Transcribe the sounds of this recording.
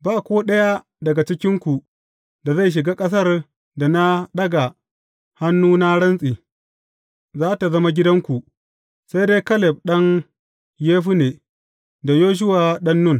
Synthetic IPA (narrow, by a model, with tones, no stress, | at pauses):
baː˦˨kʷoː˦ɗɐ˦ja˦ | dɐ˨ɡa˨t͡ʃɪ˦kʲɪ˦ŋkʷu˨ | da˨za˦˨jʃ̬ɪ˨ɡaː˦kʼɐ˦s̬ɐ˦˨r | da˨na˦ɗɐ˦ɡa˨ | ha˦nːuː˦na˦ɽɐ˦nsʼiː˨ | zaː˦ta˨zɐ˦ma˦ɡʲɪ˦dɐ˦ŋkʷu˨ | sa˦jde˦kɐ˦lɛ˨b̚ɗɐ˦ŋ | jeː˦ɸu˦neː˨ | da˨joː˦ʃ̬ʊ˦waː˨ɗɐ˦nːʊ˦n